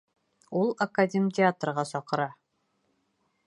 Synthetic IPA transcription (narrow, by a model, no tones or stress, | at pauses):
ulˠɐkadʲemʲtʲɪat̪rʁɑsɒqɤ̆ɾɑ